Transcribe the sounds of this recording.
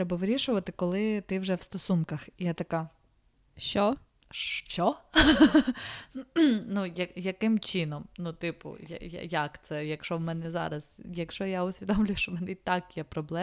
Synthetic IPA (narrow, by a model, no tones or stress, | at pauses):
t̪ɾɛbɐʋɪɾʲiʃʊʋɐt̪ɪkɔlˠɪt̪ɪwʒɛwst̪ɔsunkɐxijɛt̪ɐkɑ | ʃt͡ʃɔ | ʃt͡ʃɔ | nujɐjɐkɪmt͡ʃɪnɔmnut̪ɪpʊ̰ja̰ja̰jakt̪sɛjɐkʃɔmɛnɛzɑ̰ɾɐz̥jɐkʃɔjaʊsʲʋʲid̪ɔmlʲʊjʊʃt͡ʃɔmɛnɛit̪ɑkjɛpɾɔblˠɛ